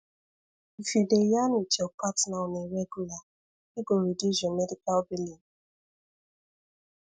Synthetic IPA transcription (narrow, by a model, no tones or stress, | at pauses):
fidejanut͡ʃɔkʷatnaɔneɾeɡula | iɡoɾidizɔmedikalbilin